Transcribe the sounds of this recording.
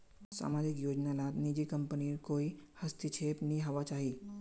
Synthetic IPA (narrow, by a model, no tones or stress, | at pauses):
sa̰mad͡ʒikjod͡ʒnalat̪nid͡ʒikəmpəniːɾkoihəst̪it͡ʃʰepniɦaʋat͡ʃaɦi